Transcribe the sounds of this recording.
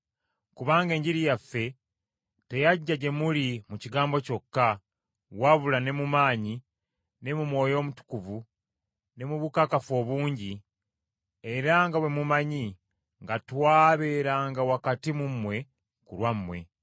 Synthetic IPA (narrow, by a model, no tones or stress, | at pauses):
kuβaːŋɡe̞ːɲɟiɾijafːe̞ | te̞jaɟːaɟe̞mulimuciɡaːmbo̞co̞kːa | waβulane̞mumaːɲi | ne̞mumwo̞ːjo̞ːmutu̥kuvu | ne̞muβukakafo̞ːβuːɲɟi | e̞ɾaŋɡaβwe̞mumaɲi | ŋɡatwaːβe̞ɾaːŋɡawakatimumwe̞ | kṵlwamːwe̞̰